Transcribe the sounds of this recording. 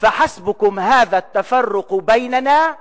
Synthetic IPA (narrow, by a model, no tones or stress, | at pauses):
faħasbʊkʊmhaːðaːt̪ːafɑrːʊqbajnanaː